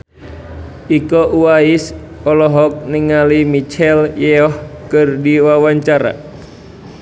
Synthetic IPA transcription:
ʔikɔʔuwais | ɔlɔɦɔk̚niŋalimit͡ʃɛljɛɔhkɨrdiwawaɲt͡ʃaɾa̰

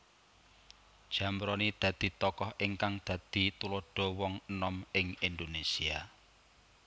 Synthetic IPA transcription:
d̥ʒ̥ä̤mɾɔnid̪̥ä̤d̪̥i̤t̪ɔkɔhʔɪŋkaŋd̪̥ä̤d̪̥i̤t̪ulɔɖ̥ɔ̤wɔŋənɔmɪŋind̪onesia

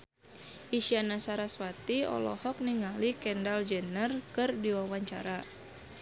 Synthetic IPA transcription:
ʔisianasaɾaswat̪iɔ̰lɔ̰hɔk̚niŋalikɛndald͡ʒɛnərkɨrdiwawaɲt͡ʃa̰ɾa

